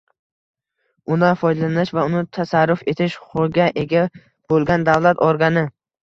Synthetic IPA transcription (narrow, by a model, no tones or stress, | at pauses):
ʊnafɒjd̪alanɪʃvaʊnɪt̪ʰasaɾːʊfe̞t̪ʰɪʃʊɡʲaʔeɡʲa | b̥olˠɡʲand̪avlat̪ɒɾɡanɪ